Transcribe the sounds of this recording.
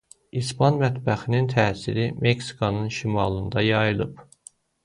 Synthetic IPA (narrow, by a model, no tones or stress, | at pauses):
ispʰɑnmæt̪bæxinint̪ʰæːsḭɾimʔeksi̥kʰonɯnʃimɑlˠɯnd̪ɑjɑjɯlˠɯp